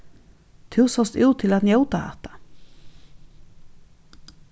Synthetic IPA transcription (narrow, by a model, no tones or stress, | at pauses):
t̪ʰʉːsɔst̪ʉːt̪ʰɪlat̪njowt̪aha̰t̪ḁ